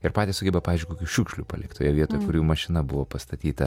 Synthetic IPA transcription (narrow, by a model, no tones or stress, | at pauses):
ɪɾpɑːt̪ʲɪsʊɡʲɛbɐɑːʋʲɪzʲd͡ʒʲkokʲuːʃʲuːkʃʲlʲṵpɐ̰lʲɪkt̪ʰoːjɛʋʲiɛt̪oːjɛkʊɾʲuːmɐʃʲɪnɐbʊʋoːpɐst̪ɐt̪ʲiːt̪ɐ